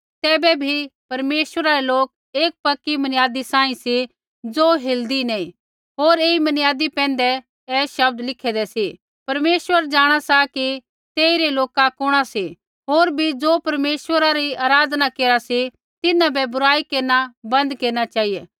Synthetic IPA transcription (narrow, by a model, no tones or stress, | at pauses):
t̪ɛːbɛbʱipɐɾmeːswəɾaɾɛloːk̚ | eːk̚pɐkːimɐnɪjaːd̪isãːĩsi | d͡zoːɦeːld̪inɛĩ | ɦoːɾeːimɐnjaːd̪ipɛ̃ːn̆d̪ɛ | ɛːʃɐb̚d̪lɪkʰɛd̪ɛsi | pɐɾmeːswəɾd͡ʒaːɽ̃asaki | t̪eːiɾeloːkakʊɽ̃asi | ɦoːɾbʱid͡zoːpɐɾmeːswəɾaɾiaːɾaːd̪nakeːɾasi | t̪ɪnãbɛbʊɾaːikeːɾnabɐ̃nd̪keːɾɽ̃at͡ʃaːɦijɛː